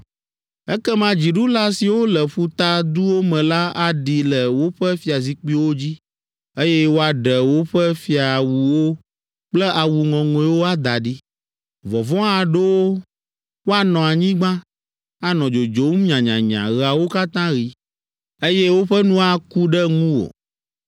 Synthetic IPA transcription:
ɛ˦kɛ˦mã˦d͡ʑi˨ɖu˦la˦si˨wo˦lɛ˨ɸu˦t̪a˦d̪u˦wo˦mɛ̃˨la˦a˨ɖi˨lɛ˨wo˦ɸɛ˦fi˦a˨zi˨k͡pi˦wo˦d͡ʑi˦ | e˦jɛ˦wo˦a˨ɖɛ˨wo˦ɸɛ˦fi˦a˨wu˨wo˦ | k͡plɛ˦ʔa˨wu˨ŋɔ̃˨ŋõ˨˦wo˦a˦d̪a˨ɖi˦ | vɔ˨vɔ̃˦a˨ɖe˦wo˦ | wo˦a˦˨nɔ̃˨a˨ɲĩ˦ɡ͡bã˦ | a˦nɔ̃˨d͡ʒo˨d͡ʒo˨˦m˦ɲã˨ɲã̰˨ɲã̰˨ɣa˨wo˦ka˦t̪ã˦ɣi˨ | e˦jɛ˦wo˦ɸɛ˦nũ˦a˨ku˦ɖɛ˦ŋũ˦wo̰˨

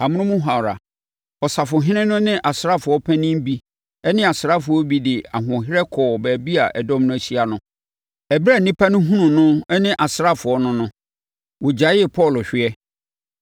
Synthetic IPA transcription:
a˨mʊ̃˦nʊ̃˦mũ˦ɦa˨wɾa̰˨ | ɔ˨sa˨fʊ˨ɦɪ̃˦nɪ̃˦nʊ̃˦nɪ̃˦ʔa˨sɪ˦ɾa˦fʊ˨ɔ˦pʰæ̃˦nɪ̃˦m˦bi˦ | ɛ˦nɪ̃˦a˨sɪ˨ɾa˦fʊ˨ɔ˦bi˦dɪ˨a˨ɦʊ̃˨ɦɪ˦ɾɛ˦kʰɔː˨bæː˨bi˦a˨ʔɛ˨dɔ̃˦mnʊ̃˦æ˨ɕi˦a˨nʊ̃˦ | ɛ˨bɾa˦˨nĩ˦pʰa˦nʊ̃˦ɦũ˦nʊ̃˨nʊ̃˦ɛ˦nɪ̃˦ʔa˨sɾa˦fʊ˨ɔ˦nʊ̃˦nʊ̃˦ | wɔ˨d͡ʑa˨˦ɪ˦˨pʰɔ˦˨lɕᶣɪ˦ɛ˦

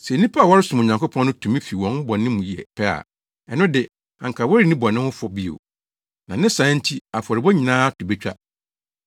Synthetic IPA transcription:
sɛ˨nĩ˦pʰa˦a˨wɔ˦ɾɪ˦sʊ̃˨m˨o˨ɲã˨ŋkʰʊ˦pʰɔ̃˦n˦nʊ̃˦tʰũ˨mĩ˦fi˨wɔ̃˨n˦bɔ˨nɪ̃˦mũ˨ji˨ɛ̰˨pʰɛ˦a̰˨ | ɛ˨nʊ̃˦dɪ˨ | ã̰˨ŋ˨kʰa˨wɔ˦ɾi˨˦nĩ˦bɔ˨nɪ̃˦hʊ̃˦fɔ˦bi˦o̰˨ | nã˨nɪ̃˦sã˨˦n̩˦tʰi˦a˨fɔ˨ɾɪ˨bɔ˦ɲĩ˨nãː˦tʰʊ˨be˦t͡ɕᶣa̰˦

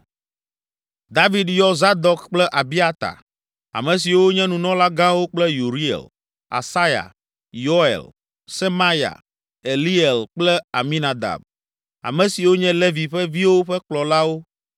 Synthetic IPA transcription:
d̪a˦vi˦d̪jɔ˦za˦d̪ɔ˦kk͡plɛ˦ʔa˨bi˦a˦t̪a̰˨ | a̰˨mɛ̃˨s̬i˨wo˦ɲɛ̃˦nũ˨nɔ̃˦la˦ɡã˦wo˦k͡plɛ˦ju˨ɾi˦ḛ˨l | a̰˨sa˦ja̰˨ | jo˦ḛ˨l | se˦ma˦ja̰˨ | e˨li˦e˨lk͡plɛ˦a˨mĩ˦na˨d̪a̰˨b | a̰˨mɛ̃˨si˨wo˦ɲɛ̃˦le˦vi˨ɸɛ˦vi˦wo˦ɸɛ˦k͡plɔ˨la˦wo˦

